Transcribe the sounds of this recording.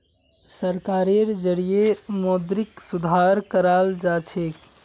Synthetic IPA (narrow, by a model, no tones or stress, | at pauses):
səɾkaɾeɾd͡ʒəɽijemod̪ɾiksud̪ʱaɾkəɾald͡ʒat͡ʃʰek